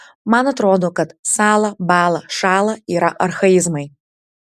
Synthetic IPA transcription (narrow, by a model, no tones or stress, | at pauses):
manɐt̪ɾod̪ukɐd̪salˠɐbalˠɐʂalˠɐiɾɐʔɐrxɐizmɐj